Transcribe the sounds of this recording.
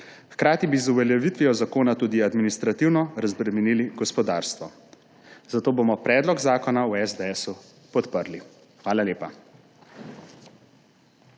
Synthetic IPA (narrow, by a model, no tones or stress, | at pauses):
xkɾaːt̪ibizuʋɛljɛʋit̪ʋiɔzakoːnat̪uːd̪iad̪minist̪ɾat̪iwnɔɾazbɾɛmɛniliɡɔspɔd̪aːɾst̪ʋɔ | zat̪oːbomɔpɾɛːd̪lɔɡzaːkɔnawɛzd̪ɛɛsu | pɔt̪pəɾli | xʋaːlaljeːpa